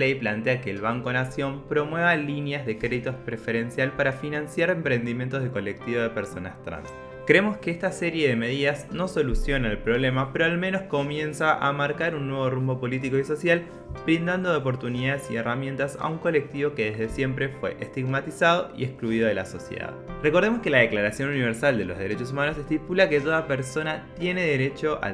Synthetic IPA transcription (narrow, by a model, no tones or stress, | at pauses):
ejplant̪eake̞ːlβaŋkonasjo̞mpɾo̞mwe̞β̞alinjazðe̞kɾeðit̪ospɾefe̞ɾe̞nsjalpaɾafinansjaɾe̞mpɾe̞nd̪imjent̪ozðeko̞lek̚t̪iβoð̞epeɾso̞na̰st̪ɾa̰ns | kɾeemo̞skeest̪aseɾje̞ðe̞me̞ð̞iðasno̞so̞lusjo̞naelpɾo̞β̞le̞mapeɾoalme̞no̞sko̞mjẽ̞nsaʔa̰maɾkaɾunːwe̞β̞o̞rumbo̞po̞lit̪̬iko̞iso̞sjal | bɾind̪and̪oðeopo̞ɾt̪uniðaðesieramjẽ̞nt̪asa̰uŋko̞le̞k̚t̪iβo̞keðe̞zðesje̞mpɾe̞fwe̞̰ʔest̪iɣmat̪isað̞o̞ḭeskluiðoðela̰so̞sjḛða̰ðrekoɾð̞emo̞ske̞lað̞e̞klaɾasjo̞nuniβeɾsald̪e̞lo̞zð̞e̞ɾe̞t͡ʃo̞s̬umanosest̪ipulaket̪̬o̞ðapeɾso̞nat̪je̞ne̞ðeɾet͡ʃo̞ʔa̰